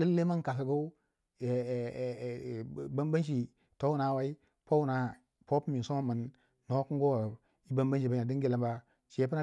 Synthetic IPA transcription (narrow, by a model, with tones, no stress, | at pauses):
lə˦lːe˦ma˦ŋ˨ka˨s̬a˨ɡo˦u˦ | e˨ba˦mba˦nʃ̬i˨ | to˦u˦na˨wa˦i˦ | po˦wna˨ | po˦pmi˨so˦mə˨nː | o˨˦ku˦ŋɡo˦˨ | i˦ba˦mba˦n˦ʃi˨ba˦ɲa˨di˦ŋɡi˦la˨mba˦ | t͡ʃe˨˦p̬ə˦na˦˨